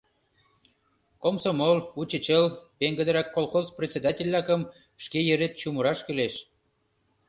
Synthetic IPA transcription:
komsomolut͡ɕət͡ɕəlpeŋɡə̆d̪ə̆ɾɑkːolˠxozpret̪t͡sʲed̪ɑtʲelʲːɑkə̆m | ʃkejəɾet̪̚t͡ɕuməɾɑʃkyleʃ

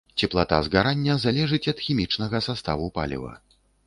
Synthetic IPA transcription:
t͡sʲɛplˠat̪a̰zɣaɾanʲːɐzalʲɛʐɨt͡sʲɐt̪xʲimʲit͡ʂnɐɣɐsast̪avupa̰lʲḭvɐ̰

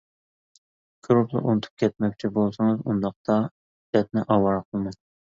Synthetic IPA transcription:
ɡ̥ʰɾuplˠɨ̰ʔunɨt̪ʰu̥p̚kʲʰɛt̪̚mɛkʲt͡ʃʰibolˠsɨŋɨzund̪ɑχ̚t̪ɑ | d̪ɛt̪̚nɪʔɑwɑɾqʰəlˠmɑ

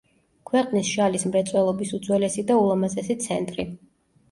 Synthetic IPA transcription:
kʰwɛqʼnisʃalismɾɛt̪sʼwɛlˠɔbisud̪zwɛlɛsid̪aulˠamazɛsit̪sʰɛnt̪ʼɾi

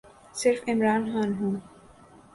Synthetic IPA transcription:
sɪɾfɪmɾaːnxãːnɦũː

